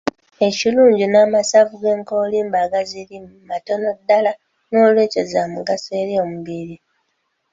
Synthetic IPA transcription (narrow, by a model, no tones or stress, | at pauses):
e̞ciluːɲɟinaːmasavuɡe̞ːŋko̞ːliːmbaɡazilimmato̞no̞dːala | noːlwe̞ːcezamuɡaseɾiomuβiɾi